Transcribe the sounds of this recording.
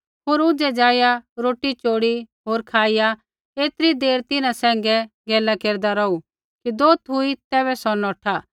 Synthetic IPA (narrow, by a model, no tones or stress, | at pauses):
ɦoːɾʊd͡ʒɛd͡ʒaːjaɾoːʈːit͡ʃoːɽiɦoːɾkʰaːɪja | eːt̪ɾid̪eːɾt̪ɪnãsɛ̃ːŋ̆ɡɛ | ɡɛːlakeːɾd̪aɾɔu | kid̪oːt̪ʰʊit̪ɛːβɛsɔnɔːʈʰa